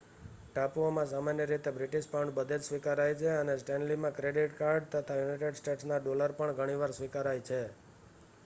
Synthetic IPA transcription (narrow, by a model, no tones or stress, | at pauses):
ʈapuomãsamanjəɾit̪ebɾiʈiʃpawɳɖbəd̪ʱed͡ʒsʋikaɾajt͡ʃʰeənesʈenlimãkɾeɖiʈkaɾɖ̚t̪ət̪ʰajunajʈeɖsʈeʈsnaɖoləɾpəɳɡʱəɽ̃iʋaɾsʋikaɾajt͡ʃʰe